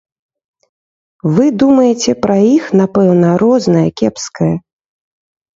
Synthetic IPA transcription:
vɨd̪umɐjet͡sʲɛpɾɐixn̪apɛwnɐɾɔznɐjɐkʲɛpskɐjɐ

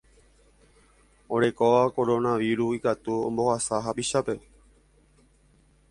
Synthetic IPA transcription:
oɾe̞koʋako̞ɾonaʋiɾuikat̪uõ̰mbohasaɦapiʃape̞

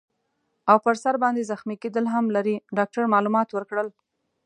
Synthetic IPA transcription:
awpəɾsaɾbɑnd̪ezaxmiked̪əlɦamlaɾiɖɑk̚ʈaɾmɑlumɑt̪wəɾkɽəl

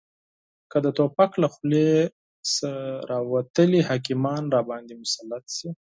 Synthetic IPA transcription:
kəd̪ət̪opaklaxle | səɾɑwat̪əlihɑkimɑnɾɑbɑnd̪imʊsalːat̪si

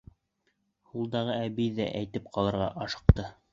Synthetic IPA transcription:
hulˠd̪ɑʁɤæbijðæ̰ʔæjt̪ɘp̚qʰɑlˠɤ̆ɾʁɑʔɑʃɤ̥̆q̚t̪ɤ

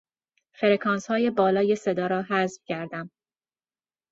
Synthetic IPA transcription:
fe̞ɾekʰɒːnshɒːje̞bɒːlɒːje̞se̞d̪ɒːɾɒːɦæzfcʰæɾd̪æm

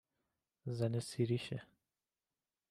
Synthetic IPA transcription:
zanesiɾiʃɛ

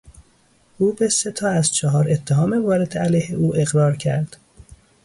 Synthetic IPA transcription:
ʔuːbeset̪ʰɒːæzt͡ʃʰɒɦɒːɾe̞t̪ʰːeɦɒːmevɒːɾed̪ælæjheʔuːʔe̞ɣɾɒːɾcʰæ̰ɾd̪̥

